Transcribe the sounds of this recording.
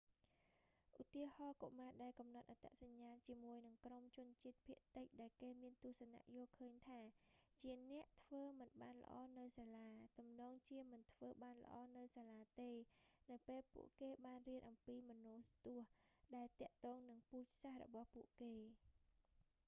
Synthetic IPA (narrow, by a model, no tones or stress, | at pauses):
ʔut̪iəhɑːko̰ʔmaːɗaɛlkɑmnɑt̪̚ʔat̪a̰ʔsaɲːaːt͡ɕiəmuəjnɨŋkromt͡ɕʊ̆ənt͡ɕiət̪̚pʰiəʔt̪ɨc̚ɗaɛlkeːmiənt̪ʊ̆əhsana̰ʔjoːlkʰəːɲt̪ʰaːt͡ɕiənɛ̆əʔt̪ʰʋəːmɨnɓaːnlə̰̆ʔɑ̰ːnɨwsaːlaːt̪umnɔːŋt͡ɕiəmɨnt̪ʰʋəːɓaːnlə̰̆ʔɑːnɨwsaːlaːt̪eːnɨwpeːlpṵəʔkeːɓaːnriənʔɑmpiːmɔnuːt̪ʊ̆əhɗaɛlt̪ɛ̆əʔt̪ɔːŋnɨŋpuːc̚sahrɔ̰ɓɑhpuəʔkeː